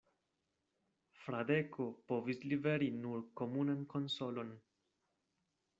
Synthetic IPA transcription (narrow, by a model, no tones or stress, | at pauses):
fɾade̞kʰo̞po̞vislibe̞ɾinuɾko̞munanko̞nso̞lo̞n